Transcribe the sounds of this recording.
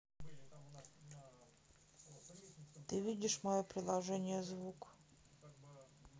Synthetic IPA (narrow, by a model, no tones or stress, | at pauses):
t̪ɨvʲidʲɪʂmɔjɔpɾʲɪlˠaʐɛnʲɪjəzvuk